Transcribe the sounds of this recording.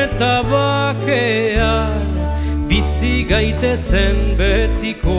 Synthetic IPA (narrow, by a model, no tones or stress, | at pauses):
et̪aβakea | bisiɣajt̪e̞sembet̪iko